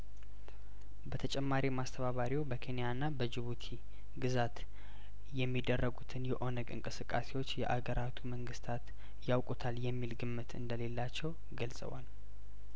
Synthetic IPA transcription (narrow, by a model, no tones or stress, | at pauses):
bət̪ʰət͡ʃʼɛmːaɾimast̪ʰəβaβaɾiwbəkʰe̞nijanːabəd͡ʒɨβut̪ʰi | ɡɨzat̪ | jɛmːid̪ːərːəɡut̪ʰɨnjɛʔo̞nəɡɨ̰ŋkʼɨsɨkʼːase̞wo̞t͡ʃːjɛ̰ʔaɡəɾʔat̪ʰuməŋɡɨst̪ʰat̪ | jawkʼut̪ʰaljɛmːilɡɨmːɨt̪ʰɨ̰nd̪əle̞lːat͡ʃːɛw | ɡəlsʼə̰wal